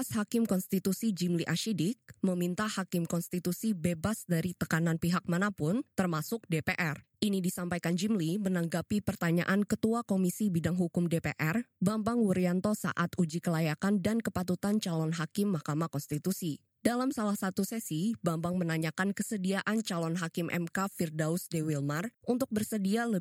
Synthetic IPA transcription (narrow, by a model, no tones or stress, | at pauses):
ashakɪmkɔnst̪it̪usid͡ʒimliʔaʃidɪk̚məmint̪ahakɪmkɔnst̪it̪usibebasdaɾit̪əkananpiɦak̚manapʊnt̪ərmasʊk̚depeʔɛrʔinidisampajkand͡ʒimlimənaŋɡapipərt̪aɲa̰ʔankət̪uakomisibidaŋɦukʊmdepḛʔɛrbambaŋwuɾiant̪ɔsa̰ʔat̪ud͡ʒikəlajakandankəpat̪ut̪ant͡ʃalɔnɦakɪmːahkamahkɔnst̪it̪usi | dalamsalahsat̪usɛsibambaŋmənaɲakankəsədiaʔant͡ʃalɔnɦakɪmʔɛ̰mkafirdausdewilmarʔunt̪ʊk̚bərsədialə